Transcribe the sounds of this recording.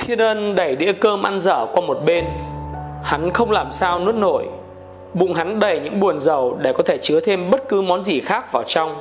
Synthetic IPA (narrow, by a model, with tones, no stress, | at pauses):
t̪ʰi˧ənʔə˧nɗə˧˩jɗḭ˧˥əkəː˧mʔa˧nzə̰ː˧˩kwaː˧mo˨˩t̚ɓe˧n | ha˨˦nxə˧wŋ͡mlaː˨˩msaː˧wnɨ˦˥t̚no̰˧˩˨j | ɓʊ̰˧˨ŋ͡mɦa˨˦nɗə˨˩jɲɨ̰˧˥ŋɓu˨˩ənzə˨˩wɗe˧˩kɔ˨˦t̪ʰe˧˩t͡ɕɨ˨˦ət̪ʰe˧mɓə˦˥t̚kɨ˨˦mɔ˨˦nzi˨˩xaː˦˥k̚vaː˨˩wt͡ɕa˧wŋ͡m